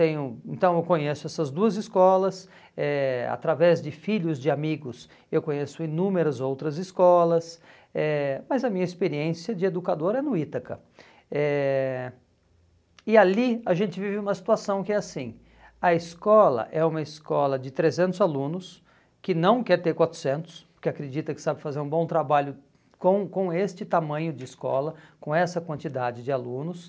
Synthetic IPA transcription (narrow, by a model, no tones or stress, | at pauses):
t̪ẽjʊẽnt̪ɐ̃w̃ewkõɲesʊɛsɐzd̪uɐzɪskɔlɐs | ɛa̰t̪ɾavɛzd͡ʒɪfiʎʊzd͡ʒɪamiɡʊs | ewkõɲesʊinũmeɾɐzowt̪ɾɐzɪskɔlɐs | ɛmɐzɐmĩɲɐɪspeɾiẽsiɐd͡ʒɪed̪ukad̪oɾɛnʊit̪ɐkɐ̰ | ɛ | ɪaliɐʒẽnt͡ʃɪvivɪũmɐsi̥t̪uasɐ̃w̃kɪɛasĩ | ɐɪskɔlɐ̰ʔɛũmɐɪskɔlɐd͡ʒɪt̪ɾezẽnt̪ʊzalũnʊs | kɪnɐ̃w̃kɛɾt̪eɾkwat̪ɾʊ̥sẽnt̪ʊ̥spʊɾkɪakɾed͡ʒit̪ɐkɪ̥sabɪfazeɾũbõt̪ɾabaʎʊ | kõw̃kõw̃est͡ʃɪt̪amɐ̃ɲʊd͡ʒɪːskɔ̰lɐkõɛsɐkwɐ̃nt͡ʃid̪ad͡ʒɪd͡ʒɪalũnʊs